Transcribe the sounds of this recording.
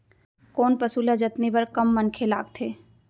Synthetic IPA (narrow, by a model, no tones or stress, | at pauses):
koːnpɐsuːlad͡ʒɐt̪nibɐɾkɐmːɐnkʰela̰ːɡt̪ʰeː